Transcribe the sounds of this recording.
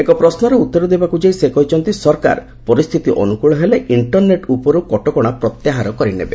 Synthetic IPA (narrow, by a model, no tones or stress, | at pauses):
ekɔpɾɔsnɔɾeut̪ːɔɾɔd̪ebakud͡ʒejsekɔɦit͡ʃʰɔnt̪isɔɾka̰ɾ | pɔɾist̪ʰit̪iʔɔ̰nukuɭɔɦeleʔiɳʈɔɾneʈupɔɾukɔʈɔkɔɽ̃apɾɔt̪jaɦaɾɔkɔɾinḛbḛ